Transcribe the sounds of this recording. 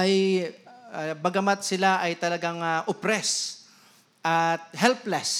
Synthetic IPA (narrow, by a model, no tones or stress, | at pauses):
ʔaj | bɐɡɐmat̪̚sɪlaʔɐjt̪ɐlɐɡaŋaʔʊpɾɛs | ʔɐt̪̚hɛlplɛs